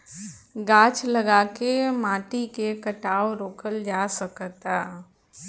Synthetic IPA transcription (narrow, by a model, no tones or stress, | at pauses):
ɡaːt͡ʃləɡaːkemãːʈikekəʈaːoɾoːkəld͡ʒaːsəkt̪aː